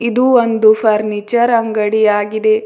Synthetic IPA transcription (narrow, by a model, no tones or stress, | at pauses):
id̪uond̪upʰɐɾnit͡ʃɐɾɐŋɡɐɽijaːɡid̪e̞